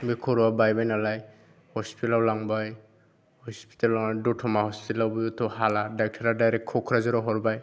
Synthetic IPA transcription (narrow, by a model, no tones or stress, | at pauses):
bikʰɔɾwabajbajnalaj | hɔspitlawlaŋbaj | hɔspi̥tallaŋadɔtʰɔmaɦɔspilawbɔjut̪ʰɔɦaladak̚tʰaɾadajɾɛk̚kʰːɔkʰɾazɔɾɔɦɔɹbaj